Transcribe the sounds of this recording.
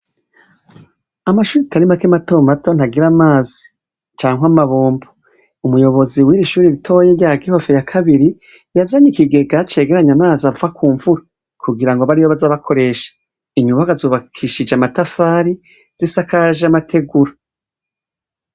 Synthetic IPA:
amaʃuːɾitaɾimakemato̞ːmato̞n̥aɡiɾamaːzi | t͡ʃaːŋwamaβoːmbo̥ | umujo̞βo̞ziwiːɾiʃuːɾiɾitʰo̞jeɾɟaɡiho̞fe̞jakʰaβiɾi | jazaɲikiɡe̞ɡat͡ʃe̞ɡe̞ɾaɲamaːzauvakuːɱvuɾa | kʰuɡiɾaŋɡoβaɾijo̞βazaβakʰo̞ɾe̞ʃḁ | iɲuβaɡazoːβakʰiʃid͡ʒeamatafaːɾi | z̥isakaʒamatʰe̞ɡuɾa

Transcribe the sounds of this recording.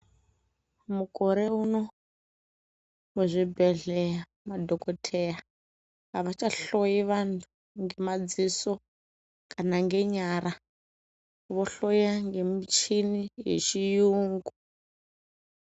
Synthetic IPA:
mukʼɔɾeuno | muzʷibɛɮɛa | madʱɔkʼɔtʰɛja | ɦaʋat͡ʃaɬojiʋantʰu | ŋɡemad͡zisɔ | kʼanaŋɡeɲaɾa | βɔɬojaŋɡemit͡ʃʰinijḛt͡ʃijuːŋɡu

